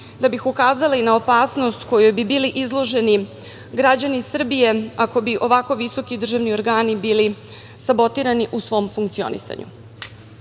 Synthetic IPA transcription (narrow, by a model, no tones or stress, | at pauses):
d̪abixukaːzaliinaopaːsno̞st̪ko̞jojbibiliʔizlˠo̞ʒe̞ni | ɡɾad͡ʑanisr̩bije̞ako̞biʔo̞ʋako̞ʋiso̞kid̪r̩ʒaʋnio̞ɾɡaːnibiːli | sabo̞t̪iɾaniʔusʋo̞ːmfuŋkt̪sio̞̰nḭsa̰ɲʔṵ